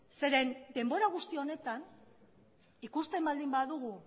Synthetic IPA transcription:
se̞ɾe̞nd̪e̞mbo̞ɾaɣ̞ust̪ione̞t̪an | ikust̪e̞mbald̪imbaðuɣ̞u

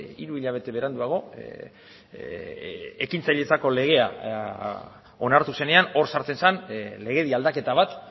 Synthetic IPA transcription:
ḭɾuiʎaβ̞e̞t̪e̞βe̞ɾand̪uaɣ̞o̞ | ekint͡saʎe̞t͡sako̞le̞ɣ̞e̞a̰ | o̞naɾt̪use̞ne̞ano̞ɾsaɾt͡se̞nsanle̞ɣe̞ðiald̪ake̞t̪aβ̞at̪

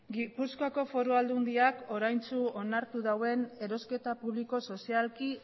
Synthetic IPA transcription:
ɡipuskoako̞fo̞ɾuald̪und̪iako̞ɾajnt͡suonaɾt̪uðawe̞ne̞ɾo̞ske̞t̪apuβliko̞so̞sialki

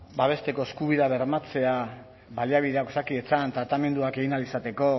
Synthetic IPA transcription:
baβe̞st̪e̞ko̞eskuβiðaβe̞ɾmat͡se̞a | βaliaβiðe̞akosakie̞t͡sant̪ɾat̪ame̞nd̪uake̞ɣinalisat̪e̞ko̞

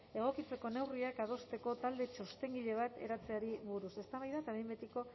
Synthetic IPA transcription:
e̞ɣ̞o̞kit͡se̞ko̞ne̞wriakað̞o̞st̪e̞ko̞t̪ald̪e̞t͡ʃo̞st̪e̞ŋɡiʎe̞β̞at̪e̞̰ɾat͡se̞aɾiβuɾuse̞st̪aβajðat̪aβejmbet̪iko̞

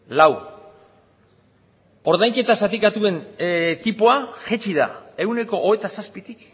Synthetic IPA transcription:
law | o̞ɾðajŋke̞t̪asat̪ikat̪ue̞nt̪ipoaʝet͡ʃiða̰e̞wne̞ko̞ʔːβet̪asaspit̪ik

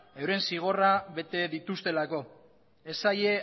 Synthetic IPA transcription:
ewɾe̞nsiɣ̞o̞raβe̞t̪e̞ðit̪ust̪e̞lako̞ | e̞saje̞

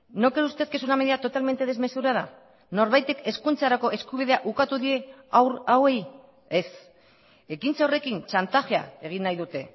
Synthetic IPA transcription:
no̞keɾust̪e̞ske̞sunameðiat̪o̞t̪alme̞nt̪e̞ð̞e̞zme̞suɾað̞a | no̞ɾβajt̪e̞ke̞skunt͡saɾako̞ʔe̞skuβ̞iðe̞aʔukat̪uðie̞awrawe̞j | es | ekint͡sao̞re̞kint͡ʃant̪axea̰e̞ɣ̞inːajðut̪e̞

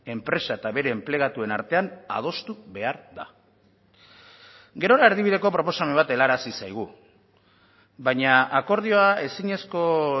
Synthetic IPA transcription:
e̞mpɾe̞saet̪aβe̞ɾe̞ːmple̞ɣ̞at̪ue̞naɾt̪e̞ana̰ð̞o̞st̪uβe̞aɾða̰ | ɡe̞ɾo̞ɾaeɾðiβiðe̞ko̞pɾo̞po̞same̞mβat̪e̞laɾasisajɣ̞u | βajɲaako̞ɾð̞io̞ae̞siɲe̞sko̞

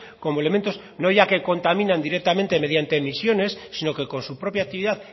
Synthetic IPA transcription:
ko̞moele̞ment̪o̞s | no̞ʝake̞ko̞nt̪amĩnãnd̪iɾek̚t̪amẽnt̪e̞me̞ð̞jant̪e̞ːmisjo̞ne̞sːino̞ke̞ko̞nsupɾo̞pjak̚t̪iβiðað

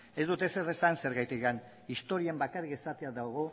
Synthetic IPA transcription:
e̞zd̪ut̪e̞se̞re̞sanse̞ɾɣajt̪ikan | ist̪o̞ɾie̞mbakarike̞sat̪eaðawɣ̞o̞

